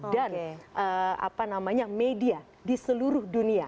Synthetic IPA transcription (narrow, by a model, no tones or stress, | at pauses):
danʔəa̰panamaɲamedia | disəluɾʊhdunia